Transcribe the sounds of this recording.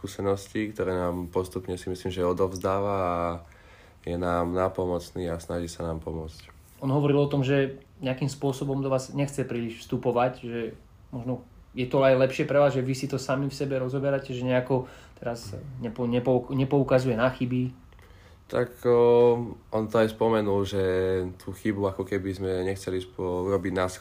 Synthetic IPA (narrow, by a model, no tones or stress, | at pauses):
kuːsɛnɔscikt̪ɔɾɛːnaːmpɔst̪upɲɛsimisliːmʒɛɔd̪ɔvzd̪aːʋaː | jɛnaːmnapɔmɔt͡sniːasnaʒisanaːmpɔmʊɔt͡sc | ɔnɦɔʋɔɾilɔt̪ɔmʒɛ | ɲɛakimspʊɔsɔbɔmd̪ɔʋaːzɲɛxt͡sɛpɾiːliʃfst̪upɔʋacʒɛ | mɔʒnɔ | jɛt̪ɔajlɛpʃɪɛpɾɛʋaːzʒɛʋisit̪ɔsamifsɛbɛɾɔzɔbɛɾacɛʒɛɲɛakɔt̪ɛɾazɲɛpɔɲɛpɔɲɛpɔukazujɛnaxibi | t̪a̰k | ɔnt̪ɔajspɔmɛnulʒɛt̪ʰuːxibuakɔkɛbizmɛɲɛxt͡sɛlispɔuɾɔbiɟnas